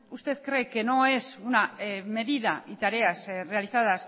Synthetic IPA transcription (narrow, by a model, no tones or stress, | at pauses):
ust̪e̞ðkɾekenoe̞suname̞ðiðait̪aɾe̞asre̞alisaðas